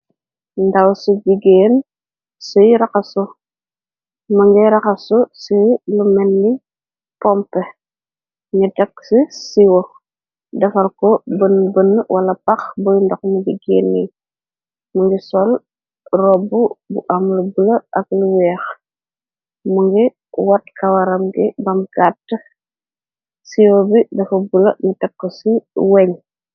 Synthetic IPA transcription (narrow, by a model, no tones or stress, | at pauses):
ndɐwsubiɡeːn | sujɾɐkɐsu | mɐŋɡiɾɐkɐsusilumɛnːi | pɔmpɛ | ɲidɐksisiwɔ | dɐfɐlkɔbənbənːwʔɐlɐpɐxbujndɔknibiɡɛːnːi | muŋɡisɔl | rɔbːubṵʔɐmlubulɐɐkluwɛːx | muŋɡi | wɐt̚kʰɐwɐɾɐmɡibɐmɡatːə | siwobidɐfɐbulɐ̰ɲitɛkːəsiwɛɲ